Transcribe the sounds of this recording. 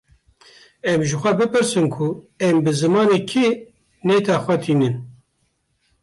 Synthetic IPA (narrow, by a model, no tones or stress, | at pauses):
ɛmʒɨxʷɛbɨpɨɾsɨnkʰu | ɛmbɨzɨmɑːneːkʰe | neːt̪ʰɛxʷɛt̪ʰiːnɨn